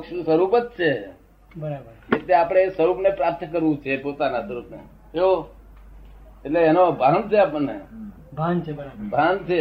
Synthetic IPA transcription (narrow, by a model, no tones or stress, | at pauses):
pəkʃsəɾupət̪̚t͡ʃʰe | bəɾabəɾket̪eapəɽ̃esəɾupnepɾap̚t̪ʰkəɾʋũt͡ʃʰepot̪anasəɾupnḛ | too | eʈleːnobʱaɦnt͡ʃʰeapəɳnːe | bʱant͡ʃʰeabʱãnt͡ʃʰe